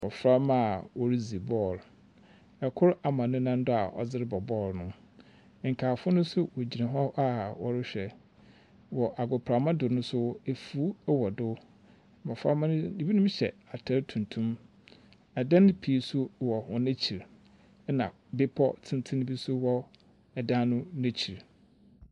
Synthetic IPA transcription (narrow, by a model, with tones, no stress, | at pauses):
ɔ˨fɾa˦ma˦a˨wɔ˨ɾi˦zi˨bɔ˦˨l | ɛ˨kʰʊ˦ɾa˨mã˨nʊ̃˦nã˦n˦dʊ˦a̰˨ʔɔ̰˨d͡zɪ˦ɾɪ˦bɔ˨bɔː˦˨ɾnʊ̃˦˨ | ŋ̩˨kʰaː˨fʊ˦nʊ̃˦sʊ˦wɔ˨d͡ʑi˨nã˨ɦɔ˦ʔa˦wɔ˨ɾɪ˦ɕᶣɛ˨ | wɔ˨ʔa˨ɡʊ˨pʰɾa˨mã˦dʊ˨nʊ̃˦sʊ˦e˨fu˨˦wɔ˨dʊ˦˨ | mã˨fa̰˦m̃˦nĩ˨bi˦nʊ̃˦mɕɛ̰˨a˨tʰa˦ɾtʰũ˨ntʰũ˦m | ɛ˨dã˦n˦pʰi˨˦sʊ˦wɔ˨wɔ˨næ̃˦t͡ɕʰi˨ɾ | nã˨ | bɪ˦pʰɔ̰˦tʰɪ̃˦n˦tʰɪ̃˦nɪ̃˦bi˦sʊ˦wɔ˦ | ɛ˨dã˦nʊ̃˦næ̃˦t͡ɕʰi˨ɾ